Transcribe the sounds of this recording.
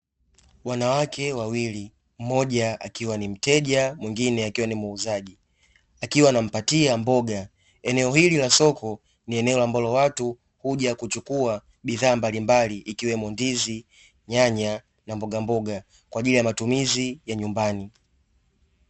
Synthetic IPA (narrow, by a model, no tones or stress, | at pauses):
wanawakʰɛwawili | m̩mɔʄaa̰kiwanim̩tɛʄamwiŋɡinɛakiwanimuːzaʄi | akiwanam̩patiambɔɡa | ɛnɛɔhililasɔkɔ | niɛnɛɔlambɔlɔwatu | huʄakut͡ʃukua | ɓiðaːmbalimbaliʔikiwɛmɔndizi | ɲaɲa | nambɔɡambɔɡa | kwaʄilijamatumizijaɲumbani